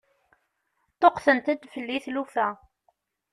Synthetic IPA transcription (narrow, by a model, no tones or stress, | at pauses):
t̪ˤːoqθənt̪æd̪fəlːiθlufæ